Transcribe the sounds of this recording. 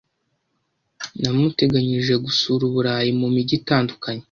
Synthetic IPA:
namute̞ɡaɲiʒe̞ɡusuɾuβuɾaːjimumiɟitaːndukaɲe̞

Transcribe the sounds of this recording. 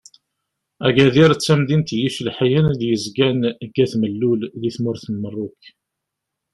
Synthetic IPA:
æɡæðiɾt͡sːæmðint̪jiʃlħjænðjəzɡænəɡːæθməlːulðiθmʊɾθənmərˤːʊk

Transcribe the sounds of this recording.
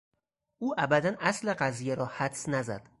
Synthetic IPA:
uːʔæbæd̪ænasleɢazijaɾɒːhæd̪snæzæ̰d̪̥

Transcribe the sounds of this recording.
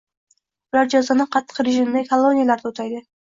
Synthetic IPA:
ʊlaɾd͡ʒɒzanɪqʰɑt̪ʰːɨ̥qɾeʒɪmd̪akʰalˠːo̞nijalaɾd̪ot̪ʰajd̪ɪ

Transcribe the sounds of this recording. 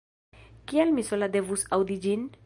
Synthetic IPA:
kialmisolad̪evusawd̪id͡ʒin

